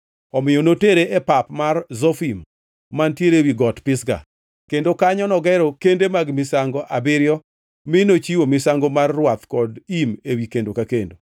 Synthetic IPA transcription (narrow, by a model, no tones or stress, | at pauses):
ɔmɪjonoteɾeʔepapmarzɔfimː | antjeɾewiɡɔtpɪsɡa̰ | kendokaɲɔnɔɡɛɾɔkendemaɡmɪsaŋɡoʔabɪɾjɔ | mɪnot͡ʃiwomɪsaŋɡomarːwat̪kɔdimewikendokakendo